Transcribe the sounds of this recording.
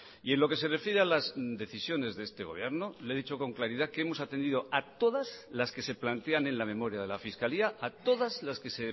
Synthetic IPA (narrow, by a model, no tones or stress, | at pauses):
ie̞nlo̞ke̞se̞re̞fjeɾealazd̪e̞θisjo̞ne̞zðe̞st̪e̞ɣo̞β̞je̞ɾno̞leðit͡ʃo̞ko̞ŋklaɾiðakeemosat̪e̞nd̪iðoat̪o̞ðazlaske̞se̞plant̪e̞anẽ̞nlamẽ̞mo̞ɾjaðe̞lafiskaliaːt̪o̞ðazlaske̞se̞